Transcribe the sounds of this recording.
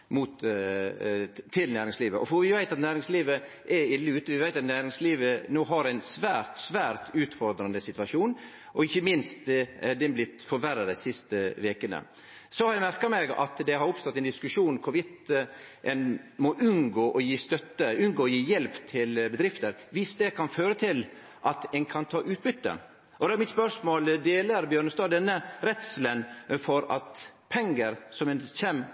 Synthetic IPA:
mut̪ | t̪ʰɪlnæːɾɪŋsliːʋəʔɔfɔʋɪʋæɪt̪ɑt̪næːɾɪŋsliːʋə | ʔɛɾɪlːəʉːt̪əʋɪʋæɪt̪ɑt̪næːɾɪŋsliːʋənoːɦɑɾæɪnsʋæːɾt̪sʋæːɾt̪ʰʉːt̪fɔɾd̪ɾɑnəsɪt̪ʉɑʂuːn | ʔɔɪçːəmɪnst̪ɛd̪ɛnblɪt̪fɔɾʋæɾɑd̪æɪsɪst̪əʋeːkənə̰ | sɔhɑɾjæmæɾkɑmɛɡɑ̰t̪d̪ɛɦɑɾʊpst̪ɔt̪ːɛɪnd̪ɪskʉʂuːnkʰʊʋɪt̪ʔɛnmɔʔʉnɡoːʔɔjiːst̪œt̪ːəʉnɡoːjiːjɛlpt̪ʰɪlbəd̪ɾɪft̪əɾʋɪst̪̚d̪ɛkʰɑnføːɾət̪ʰɪl | ʔɑt̪ɛnkʰɑnt̪ʰɑːʔʉːt̪̚bʏt̪ːə̰ | ʔɔd̪ɛæɾmɪt̪spœʂmoːld̪eːləɾbjøːɳəst̪ɑːd̪ɛnːəɾɛt̪slənfɔɾɑt̪pʰɛŋɡəɾsɔmɛnçɛm

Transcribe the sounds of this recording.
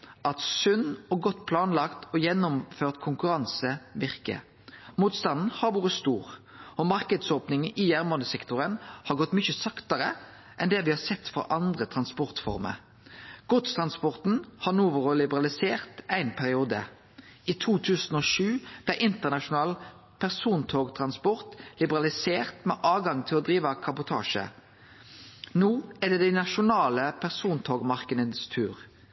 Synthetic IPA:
ɑt̪sʉnːɔɡɔt̪ːpʰlɑːnlɑkt̪ɔjɛnːʊmføːʁt̪kʰʊŋkʉɾɑnsəʋɪʁkə̰ | muːt̪st̪ɑnn̩hɑɾʋuːɾəst̪uːʁ | ɔmɑʁkəd̪soːpnɪŋ̩ijæʁmɔd̪əsɛkt̪ʊɾənhɑɾʁɡɔt̪ːmʏçəsɑkt̪əɾə | ʔɛnd̪ɛːʋɪhɑːsɛt̪ːfɔ̰ɾʔɑnd̪ʁət̪ʰʁɑnspɔʁt̪fɔ̰ʁmə̰ɾ | ɡ̥ɔt̪t̪ʰʁɑnspɔʁt̪n̩hɑnuːʋəʁɔlɪbəʁɑlɪseːʁt̪æɪnpʰæʁɪuːd̪ə̰ | ʔiːt̪ʰuːt̪ʰʉːsn̩ɔːʃʉːb̥læʔɪnt̪əʁnɑʃʊnɑːl | pʰæʁsuːnt̪ʰoːɡt̪ʰʁɑnspɔʁt̪lɪbəʁɑlɪseːʁt̪mɛʔɑːʋɡɑŋt̪ʰɪlɔd̪ɾiːʋɑkʰɑbʊt̪ʰɑ̰ːʃə̰ | nuːɛd̪ɛd̪æɪnɑʃʊnɑːləpʰæʁsuːnt̪ʰoːɡmɑʁkəd̪əd̪st̪ʰʉːʁ

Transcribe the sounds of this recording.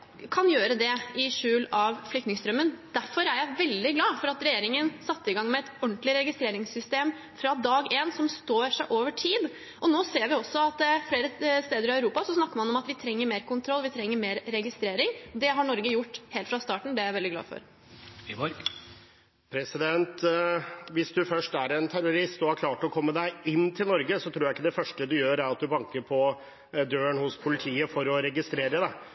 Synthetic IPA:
kʰɑnjøːɾəd̪ɛɪʂʉːlɑʋflʏkt̪nɪŋst̪ɾœmːənd̪̥æɾfɔɾæɾjæɪʋɛld̪ɪɡlɑːfɔɾɑt̪ɾɛjeːɾɪŋənsɑt̪ːəɪɡɑŋːmɛɛt̪ɔɳt̪lɪɾɛɡɪst̪ɾeːɾɪŋsʏst̪eːm | fɾɑd̪ɑːɡeːnsɔmst̪oːɾʂæɪʔoːʋəʈʰiːd̪ | ʔɔnoːseːɾʋɪɔsːɔɑt̪fleːɾəst̪eːd̪əɾɪœʉɾuːpɑsɔsnɑkːəɾmɑnɔmɑt̪ʋɪt̪ʰɾɛŋːəɾmeːɾkʊnt̪ʰɾɔlːʋɪt̪ʰɾɛŋːəɾmeːɾɾɛɡɪst̪ɾeːɾɪŋd̪ɛɦɑɳɔɾɡəjʊʈːheːlt̪fɾɑst̪ɑːʈɳ̩d̪ɛjæɪʋɛld̪ɪɡlɑ̰ːfɔ̰ɾ | pʰɾɛsɪd̪ɛnt̪ | ʋɪsd̪ʉfœʂʈæɾɛnt̪ʰæɾʊɾɪst̪ɔhɑɾkʰlɑːʈɔkʰɔmːəd̪æɪɪnːt̪ʰɪlnɔɾɡəsɔt̪ʰɾuːɾjæɪɪkːəd̪ɛfœʂʈəd̪ʉjøːɾæɾɑt̪̚d̪ʉbɑŋkəɾpʰɔ | d̪øːəɳhʊspʰʊlɪt̪ʰiːəfɔɾɔɾɛɡɪst̪ɾeːɾəd̪ɛ

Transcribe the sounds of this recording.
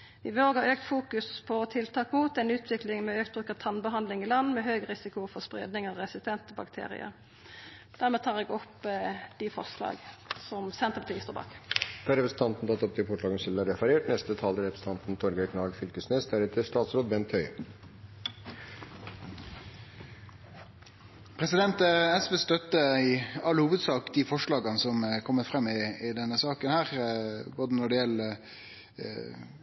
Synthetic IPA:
ʋɪʋoːɡəøːkt̪fuːkʉspʰɔt̪ʰɪlt̪ʰɑːkmuːt̪ɛnʉːt̪ʰʋɪklɪŋmɛøːk̚t̪̚bʁʉːkət̪ʰɑnbəɦɑnlɪŋilɑnmɛɦøːɡʁɪsɪkʊfɔʁspʁḛːd̪nɪŋɑʋʁɛsɪst̪ʰɛnt̪əbɑkt̪ʰḛːʁɪ̰ə̰ɾ | d̪̥æʁmɛːt̪ʰɑːʁɛɡɔpd̪̥ɪfɔ̰ʁslɑ̰ːɡsɔmsɛnt̪əpɑt̪ʰiːst̪ɔbɑ̰kt̪ʰɑːɾɛpɾəsn̩t̪ɑnt̪n̩t̪ɑt̪ːɔp̚d̪ɪfɔʈɭɑːɡəsɛləɾɛfæɾeːʈnɛst̪ət̪ʰɑːld̪əɾɛpɾsn̩t̪ɑnt̪n̩t̪ʰɔɾɡəɾəkʰnɑːɡfʏlkəsneːsd̪æɾɛt̪ʰəʂt̪ɑːt̪sɾoːd̪bɛnt̪ʰhœʏ | pʰɾɛsɪd̪ɛnt̪əɛsʋeːst̪œt̪ːəɪɑlːhuːʋəd̪sɑːkd̪ifɔʂɭɑːɡɑnəsɔmkʰɔmːət̪fʁɛmːɪɪd̪ɛnːəsɑːkənhæːʁboːd̪ənɔɖɪɛlə

